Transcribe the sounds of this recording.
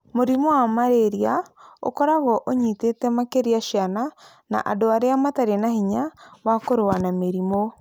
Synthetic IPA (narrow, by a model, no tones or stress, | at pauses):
moɾimɔwamaɾeɾiao̰kɔɾaɣɔʔoɲitetɛmakeɾiaʃiana | na̰ʔa̰doaɾeamataɾenahiɲawakoɾowanameɾimo